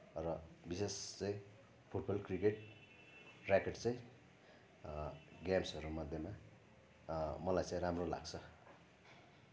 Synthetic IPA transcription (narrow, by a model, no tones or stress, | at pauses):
rʌbisest͡sʌj̃ | pʰuʈbʌlkrikeʈ̚ | rakeɖt͡sʌj̃ | ɡjamsʌɾumʌd̪ʱjema | mʌlajt͡sʌĩɾamrola̰ɡt͡sʰʌ